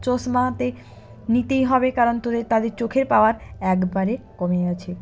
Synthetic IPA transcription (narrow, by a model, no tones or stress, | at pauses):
t͡ɕoʃmaɦat̪e | nit̪ejɦɔbekaɾont̪od̪eɾt̪ad̪eɾt͡ɕokʰeɾpaoaɾɛkbaɾekomeɡat͡ɕʰe